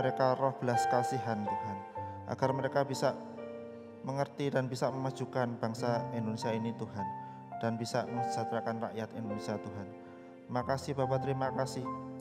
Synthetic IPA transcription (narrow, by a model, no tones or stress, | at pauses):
əɾekarɔhb̥əlaskasiɦant̪uɦanʔa̰ɡ̥arməɾekabisa | məŋərt̪idanbisaməmḁd͡ʒ̥ukanb̥aŋsaindonesijainit̪uhan | d̥anbisaməŋd͡ʒ̥at̪ɾakanra̰ʔjat̪indonesiat̪uɦan | makasɪhb̥apat̪əɾimakasɪh